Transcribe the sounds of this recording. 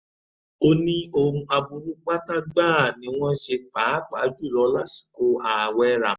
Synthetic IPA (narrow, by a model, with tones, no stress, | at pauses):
o˧nĩ˦o˧hũ˧a˧bu˧ɾu˦k͡pa˦ta˦ɡ͡baː˦˨nĩ˨˧˦w̃ɔ̃˦ʃe˧k͡paː˨˦k͡pa˨˦d͡ʒu˦˨lɔ˨˧˦la˦si̥˨ko˧a˨wɛ˧ɾa˨